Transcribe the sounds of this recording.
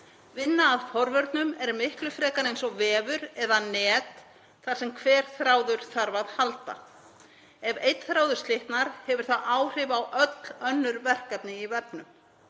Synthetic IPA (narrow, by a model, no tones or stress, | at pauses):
vɪnːaːðfɔɾvœɾt̪nʏmɛɾmɪhklʏfɾɛːkanejnsɔvɛːvʏɾɛðanɛːt̪ | θḁsɛmkʰvɛːɾ̥θɾaːwðʏɾ̥θaɾvaðhalt̪a̰ | ɛvejt̪θɾaːwðʏɾ̥st̪lɪht̪naɾ̥hɛvʏɾ̥θaʔaːwr̥ɪvawʔœt̪lœnːʏɾvɛr̥kɛpnɪivɛpnʏm